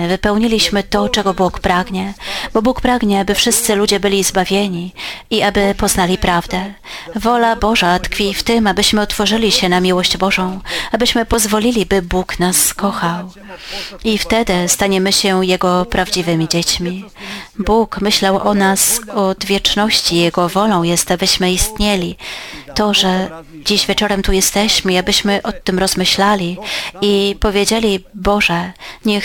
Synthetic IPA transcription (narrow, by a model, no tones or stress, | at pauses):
vɘpɛwɲilʲiɕmɘt̪ɔt͡ʂɛɡɔbukpɾaɡɲɛb̥ɔbukpɾaɡɲɛabɘfʂɘst̪sɘlud͡ʑɛbɘlʲizbavʲjeɲiiabɘpɔznalʲipɾavd̪ɛ | vɔlabɔʐat̪kfʲift̪ɘmabɘɕmɘɔt̪fɔʐɘlʲiɕɛnamʲiwɔɕd͡ʑbɔʐɔ̃w̃abɘɕmɘpɔzvɔlʲilʲibɘbuknaskɔxaw | ift̪ɛd̪ɘst̪aɲɛmɘɕɛjɛɡɔpɾavd͡ʑivɘmʲid͡ʑet͡ɕmʲi | bukmɘɕlawʔɔnasɔd̪vʲjɛt͡ʂnɔɕt͡ɕijɛɡɔvɔlɔ̃w̃jɛst̪abɘɕmɘist̪ɲelʲit̪ɔʐɛ | d͡ʑiʑvʲjɛt͡ʂɔɾɛmt̪ujɛst̪ɛɕmɘiabɘɕmɘʔɔt̪ɘmɾɔzmɘɕlalʲiipɔvʲjed͡ʑelʲibɔʐɛɲɛx